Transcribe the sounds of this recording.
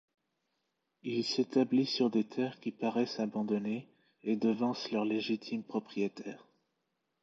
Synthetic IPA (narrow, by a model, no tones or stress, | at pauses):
ilset̪ablisyʁd̪et̪ʰɛʁkʲipaʁɛsabɑ̃d̪ɔne | ed̪əvɑ̃slœʁleʒit̪ʰimpχɔpχijet̪ʰɛːʁ